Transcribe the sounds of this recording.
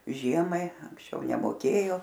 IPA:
ˈʒʲiɛmɐɪ ɐŋksʲˈt͡ʃʲɛʊ nʲɛmoːˈkʲeːjoː

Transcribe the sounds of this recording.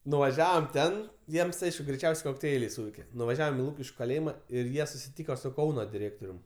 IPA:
nʊʋɐˈʒʲæːʋoːm ˈtʲɛn ˈjiɛms ˈɐɪʃkʊ ɡrʲɛɪˈt͡ʃʲɛʊsʲɛɪ koːkˈtʲɛɪlʲɛɪ ˈsuːʋʲɛɪkʲɛ nʊʋɐˈʒʲæːʋoːm ɪ ˈlˠuːkʲɪʃʲkʲʊ kɐˈlʲeːjɪmɐ ɪr ˈjiɛ sʊsʲɪˈtʲiːkoː sʊ ˈkɐʊnoː dʲɪˈrʲeːktoːrʲʊm

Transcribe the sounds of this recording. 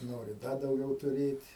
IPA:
ˈnoːrʲɪ ˈdɐ dɐʊˈɡʲɛʊ tʊˈrʲeːtʲ

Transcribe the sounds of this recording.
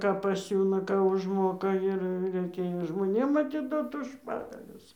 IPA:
ˈkɑː pɐˈsʲuːnɐ ˈkɑː ʊʒˈmoːkɐ ˈɪr rʲɛɪˈkʲeːjoː ʒmoːˈnʲeːm ɐtʲɪˈdoːt ʊʃ ˈpɑːɡɐlʲʊs

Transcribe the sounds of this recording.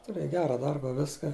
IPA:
tʊˈrʲeːj ˈɡʲæːrɐ ˈdɐrbɐ ˈʋʲɪskɐ

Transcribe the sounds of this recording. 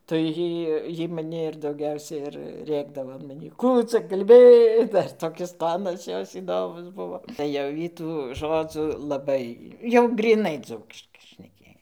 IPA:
tɐɪ ˈjiː ˈjiː mɐˈnʲɪ ɪr dɐʊˈɡʲɛʊsʲɛ ɪr ˈrʲeːɡdɐʋoː ɐn mɐˈnʲiː ˈkuː t͡sɐ kɐlʲˈbʲɪ ˈdɐr toːˈkʲɪs ˈtoːnɐs ˈjoːs iːˈdoːmʊs ˈbʊʋoː tɐɪ ˈjɛʊ ˈjiː tuː ˈʒoːd͡zʊ lˠɐˈbɐɪ jɛʊ ɡrʲiːˈnɐɪ ˈd͡zuːkʲɪʃkɐɪ ʃʲnʲɛˈkʲeːj

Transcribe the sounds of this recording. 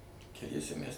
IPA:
kʲɛˈlʲiɛsʲɛ mʲæs

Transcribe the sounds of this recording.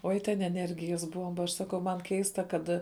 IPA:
ˈoːɪ tʲɛn ɛˈnʲɛrʲɡʲɪjɛs ˈbuɔmbɐ ɐʃ ˈsɑːˌkɐʊ mɐn ˈkʲɛɪstɐ ˈkɐt

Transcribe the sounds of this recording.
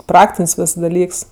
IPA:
ˈprɑːktʲɪnʲsʲ ˈʋʲɪs dɐˈlʲiːks

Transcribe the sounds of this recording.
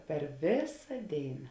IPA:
pʲɛr ˈʋʲeːsɐ ˈdʲeːɪnɐ

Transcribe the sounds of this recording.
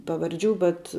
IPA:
pɐʋɐrʲˈd͡ʒʲuː bʲɛt

